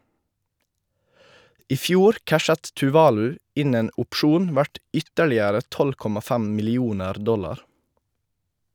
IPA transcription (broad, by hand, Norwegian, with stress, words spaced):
ˈiː ˈfjuːɾ ˈkæʃət tʉˈʋɑːlʉ ˈɪn ˈeːn ʊpˈʃuːn ˈʋæʈ ˈʏtəɭɪəɾə ˈtɔl ˈkɔmɑ ˈfæm mɪlɪˈuːnəɾ ˈdɔlɑɾ